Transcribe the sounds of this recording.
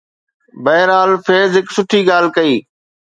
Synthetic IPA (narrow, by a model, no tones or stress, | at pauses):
bəɦɪɾaːlfeːzɦɪksʊʈʰiːɡaːl̤kəiː